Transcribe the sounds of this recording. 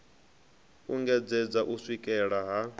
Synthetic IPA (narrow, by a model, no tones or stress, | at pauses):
uŋɡɛd͡zɛd͡zaʔuswikʼɛɺaɦa